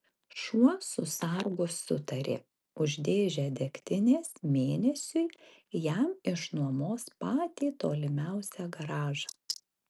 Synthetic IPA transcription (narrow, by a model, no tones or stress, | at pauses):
ʃuɔsʊsɐɾɡʊsʊt̪ɐɾʲḛː | ʊʒʲd̪ʲeːʒʲɛd̪ʲɛkt̪ʲɪnʲeːsmʲeːnʲɛsʲʊj | jæmɪʃnuɔmoːspɑːt̪ʲiːt̪oːlʲɪmʲæˑʊsʲæɡɐɾɑːʒɐ